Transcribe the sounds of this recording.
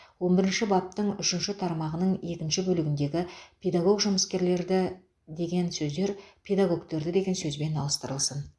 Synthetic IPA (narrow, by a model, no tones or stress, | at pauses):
wo̞nbɪɾɪnʃɪbɑp̚t̪əɴʏʃɪnʃɪt̪ʰɑɾmɑʁənəɴe̞kʲɪnʃɪbɵlɪɡʲɪnd̪e̞ɡʲɪpʰʲe̞d̪aɡo̞ɡʒʊməskʲe̞ɾle̞ɾd̪ɪ | d̪e̞ɡʲe̞nsɵzd̪e̞ɾpʲʰe̞d̪aɡo̞kt̪e̞ɾd̪ɪd̪e̞ɡʲe̞nsɵzbe̞nɑlˠəst̪əɾəlˠsən